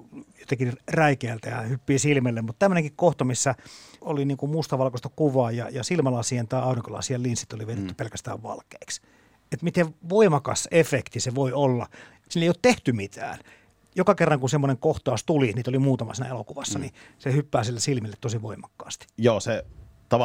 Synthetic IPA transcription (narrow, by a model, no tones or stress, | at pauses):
jot̪ekiræikeælt̪æjɑhypːiːsilmelːemmut̪t̪æmːøneŋkikkoht̪omisːæoliniːŋkummust̪ɑʋɑlkost̪ɑkuʋɑːjjɑ̰jɑsilmɑlɑsient̪ɑiɑˑuriŋkolɑ̰siɑlinsit̪ːoliʋeit̪et̪ːy̥pelkæst̪æ̰ːʋʋɑ̰lkeːks | et̪mit̪eʋʋoimɑkɑ̰sefekt̪iseʋoiolːɑ̰ | sinːeioːt̪t̪eht̪ymit̪ʰæ̰ːn | jokɑkerːɑŋkunsemːoneŋkoht̪ɑˑust̪uliniːt̪olimuːt̪ɑmɑ̰siːnæ̰elokuʋɑsːɑnisehypːæːsilːesilmilːet̪t̪osiʋoimɑkːɑ̥̰ːst̪i̥joːset̪ɑʋ